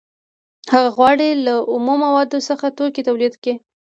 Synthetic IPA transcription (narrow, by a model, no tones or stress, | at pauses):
haɣaɣwɑɽelaʔʊmomawɑd̪osəxat̪okit̪awlid̪ke